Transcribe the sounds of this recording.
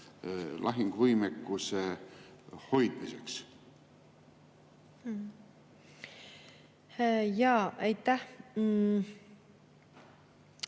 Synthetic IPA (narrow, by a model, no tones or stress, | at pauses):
lʔɑɦiŋɡ̥vɯjmekːuse | ho̞jd̪̥miseks | jɑːæjt̪ːæh